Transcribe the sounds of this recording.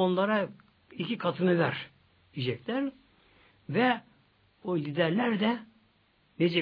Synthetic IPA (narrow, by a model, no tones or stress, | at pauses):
onlˠɑɾa | icʲikʰɑt̪ʰɯnɯvæɾ | id͡ʒɛcʲlʲæɾ | vɛ | olʲid̪æɾlʲæɾd̪ɛ | ned͡ʒɛ